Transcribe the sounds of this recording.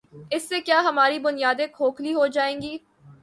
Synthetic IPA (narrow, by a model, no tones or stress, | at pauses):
ɪsːekjaːɦɐmaːɾibʊnijaːd̪ẽkʰoːkʰliɦod͡ʒaːẽːŋɡiː